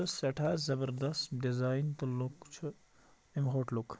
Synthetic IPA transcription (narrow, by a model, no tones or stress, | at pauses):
əseʈʰazɐbəɾd̪ɐst̪ɖizaːint̪ɐlːukt͡ʃʰu | imɦoːʈluk